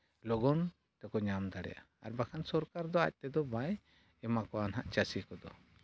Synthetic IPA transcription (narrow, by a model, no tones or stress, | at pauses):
lɔɡɔn | t̪ɛkɔɲamd̪aɽɛ̰ja̰ | a̰ɾbakʰansɔɾkaɾd̪ɔa̰c̚t̪ɛd̪ɔbaj | ɛmakɔanɦaʔt͡ʃasikɔd̪ɔ